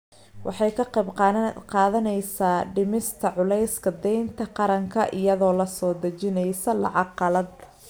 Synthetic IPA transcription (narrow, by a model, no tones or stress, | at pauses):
wɑ̰ħɑjkʰɐqɛbqɑqɑːðɐnɛjsaːɖɪmɪst̪ʰɐʕʊlɛjskʰɐd̪ɛjnt̪ʰɐqɑɾɐŋkʰɐʔɪjɐðɔːlɐsɔːd̪ɐt͡ʃɪnɛjsɐlɑʕɑqɑlɐd̪